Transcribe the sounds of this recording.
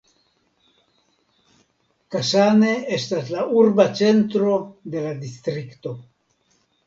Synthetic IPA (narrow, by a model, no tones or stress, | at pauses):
kasane̞estaslaʔuɾbat͡sent̪ɾo̞d̪e̞lad̪ist̪ɾikt̪o̞